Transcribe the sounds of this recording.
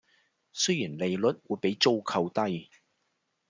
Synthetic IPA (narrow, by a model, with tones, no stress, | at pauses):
sɵ˥ɥjiː˨˩nle˨jlɵ˨t̚wuː˨˧jpe˨˥jt͡so˥wkʰɐ˧wt̪ɐ˥j